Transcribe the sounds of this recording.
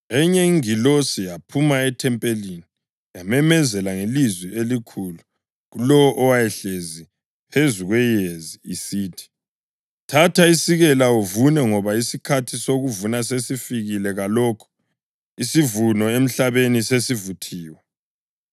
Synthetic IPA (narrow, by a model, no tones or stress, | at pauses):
ɛɲɛiŋilosijapʰumaɛtʰɛmpʼelini | jamɛmɛzɛlaŋelizwielikʰulu | ɣulɔwʔɔwajɛɬezi | pʰezuɣwɛjeziːsiːtʰi̥ | tʰatʰaisiɣɛlauvunɛŋɔβaisikʰatʰisoɣuvunas̬esifiɣilɛɣalɔːkʰu̥ | isivunɔem̩ɬaβenisesivutʰiːwɛ